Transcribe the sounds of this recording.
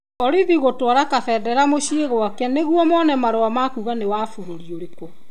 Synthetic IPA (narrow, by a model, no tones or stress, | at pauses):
ɔɾiðiɣotwaɾakafɛːdɛɾamoɕieɣwakɛneɣwɔmɔnɛmaɾowamakuɣanewaːfoɾoɾioɾekɔ